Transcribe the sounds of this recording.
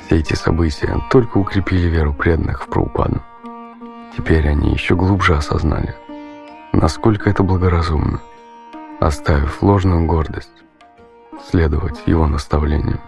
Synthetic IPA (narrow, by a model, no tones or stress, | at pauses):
fsʲeɛtʲɪsɐbɨtʲɪjə̰t̪o̞lʲkəʊkɾʲɪpʲilʲɪvʲeɾʊpɾʲed̪ənːɨxfpɾə̰ʊpa̰d̪ʊ | tʲɪpʲeɾʲɐnʲʔḭjɪɕːoɡlˠubʐɨɐsɐ̰zna̰lʲɪ | nʔɐsko̞lʲkəɛt̪əblˠəɡəɾɐzumnə | ɐ̰st̪avʲɪfʲlˠo̞ʐnʊjʊɡo̞rd̪əsʲtʲ | sʲlʲed̪əvətʲjɪ̰vo̞nəst̪ɐvlʲḛnʲɪ̰jʊ